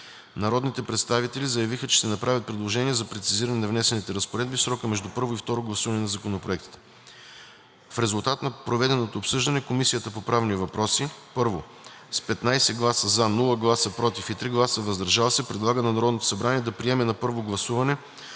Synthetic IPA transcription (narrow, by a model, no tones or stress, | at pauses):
nɐɾɔd̪nit̪ɛpɾɛt̪st̪avit̪ɛlizəjɐvixət͡ʃɛ̥ʃt̪ɛnɐpɾavʲət̪̚pɾɛd̪lˠoʒɛniɛzɐpɾɛt̪siziɾɐnɛnɐvnɛsɛnit̪ɛɾəspoɾɛd̪̚bifsɾɔkəmɛʒd̪upɤɾvoift̪ɔɾoɡlˠɐsuvɐnɛnɐzɐkonopɾoɛkt̪i̥t̪ɛ̥ | fɾɛzulˠt̪at̪nɐpɾovɛd̪ɛnot̪oːpsɤʒd̪ɐnɛkomisijət̪əpopɾavnivɐpɾɔsipɤɾvo | spɛt̪najsɛɡlˠasəzanulˠəɡlˠasəpɾɔt̪ifit̪ɾiɡlˠasəvɐzd̪ɐɾʒavəsɛpɾɛd̪lˠaɡənɐnɐɾɔd̪not̪o̥sɐbɾaniɛd̪ɐpɾiɛmɛnɐpɤɾvoɡlˠɐsuvɐnɛ